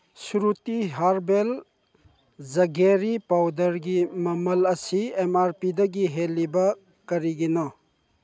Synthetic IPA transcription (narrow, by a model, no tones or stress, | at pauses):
suɾutiɦaɾbel | zɐɡeɾipawdɐɾɡimɐmɐlɐsiemaɾpidɐɡiɦelːibɐ | kɐɾiɡinɔ